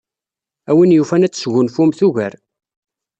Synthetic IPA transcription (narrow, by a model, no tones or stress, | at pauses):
æwinjufænæt͡sːsʝʊnfumθuʝæɾ